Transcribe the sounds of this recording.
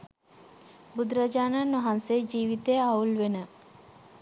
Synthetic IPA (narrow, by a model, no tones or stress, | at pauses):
bud̪ɾɐd͡ʒaːnanɐɦɐnsed͡ʒiːʋit̪eaulʋenə